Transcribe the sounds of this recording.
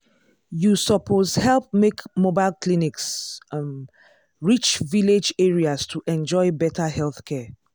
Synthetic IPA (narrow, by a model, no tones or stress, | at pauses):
jusəpʰozhɛlp̚mekmobaɪlˠkliniks | ɹit͡ʃviled͡ʒɛɹiastʰuʔɛ̃nd͡ʒɔɪbɛtʰahɛlθkʰɛ